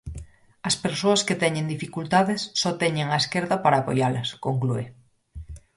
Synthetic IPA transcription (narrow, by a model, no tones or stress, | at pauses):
ɐspeɾsoasket̪ɛɲẽnd̪ifikult̪aðesːɔt̪ɛɲeŋaeskeɾðapaɾaːpojalɐskoŋklue